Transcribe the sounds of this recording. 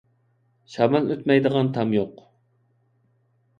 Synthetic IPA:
ʃɑmɑløt̪mɛjd̪əʁɑnt̪ʰɑmjoq

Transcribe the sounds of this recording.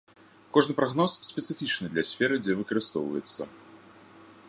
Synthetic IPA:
kɔʐnɨpɾaɣnɔsːʲpʲɛt̪sɨfʲit͡ʂnɨd̪lʲɐsʲfʲɛɾɨd͡zʲɛvɨkɐɾɨst̪ɔ̰wvɐ̰jɛ̰t̪sːɐ̰

